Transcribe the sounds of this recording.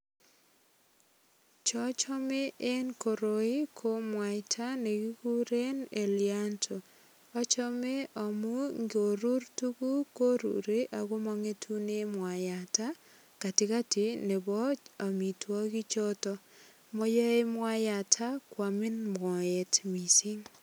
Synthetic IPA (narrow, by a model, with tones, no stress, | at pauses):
t͡ʃɔ˦t͡ʃɔ˦me˦ʔe˦nko˨ɾo˨i˦kʰo˦mwa˨ɪtʰa˦ne˨ɡi˦ku˦ɾe˦ne˨lja˦ntʰo˨ | ɔ˦t͡ʃɔ˦me˦ɔ˨mu˦ŋɡo˨ɾu˦ɾtu˦ku˦ko˦ɾṵ˨ɾe˦ʔa˨ɡo˦mɔ˦ŋe˦tʰu˦ne˦mwa˨ja˨ta˦ | ka˨tɪ˨ka˦ti˨ne˨bɔ˦t͡ʃa˨mi˨twɔ˦ɡi˦t͡ʃɔ˦tɔ˦ | mɔ˦jɔ˦e˦mwa˦ja˨tʰa˦kwa˨mɪ˦nmɔ˨e˨tmi˨si˦ŋ